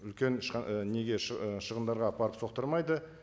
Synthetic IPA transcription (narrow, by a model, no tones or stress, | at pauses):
ʏlkʲe̞nʃne̞ɡʲe̞ʃʃəʁənd̪ɑɾʁɑːpʰɑɾəpso̞q̚t̪əɾmɑjd̪ə